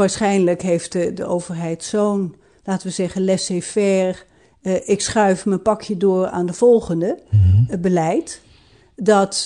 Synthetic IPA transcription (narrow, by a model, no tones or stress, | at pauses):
ʋaːɹsχɛjnləkɦejftədəowv̥ərɦɛjtsown | laːtəʋəzɛχənlɛsefɛr | ʔɪksχœɥfmənpɑkʰjədoːra̰ːndəv̥ɔlˠχəndəbəlɛjt | dɔt